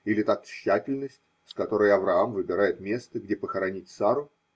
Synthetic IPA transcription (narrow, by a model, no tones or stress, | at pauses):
ilʲɪt̪at̪ɕːætʲɪlʲnəsʲtʲ | skɐt̪o̞ɾəjɐvɾɐamvɨbʲɪɾajɪt̪mʲe̞st̪əɡdʲepəxəɾɐnʲitʲsaɾʊ